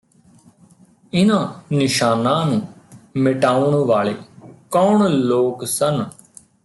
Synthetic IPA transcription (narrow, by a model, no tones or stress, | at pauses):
ɪnãːnɪʃaːnãːnũːmɪʈaːʊɳʋaːɭḛːkɔːɳloːksən